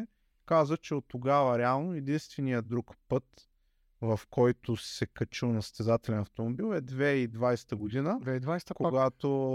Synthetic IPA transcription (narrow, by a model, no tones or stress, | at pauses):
kazət͡ʃɛot̪ːoɡavəɾɛalˠnoɛd̪inst̪vɛnijəd̪ɾukpɤt̪ | vɐfkɔjt̪osɛkɐt͡ʃilˠnɐst̪ɛzat̪ɛlɛnɐft̪omobilˠɛd̪vɛid̪vajsɛ̥t̪əɡod̪inəvɛd̪ajskoɡat̪o